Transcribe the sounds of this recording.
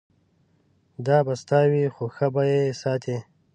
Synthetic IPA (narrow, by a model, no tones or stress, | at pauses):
d̪ɑːbast̪ɑːwixoxabajesɑːt̪ʰe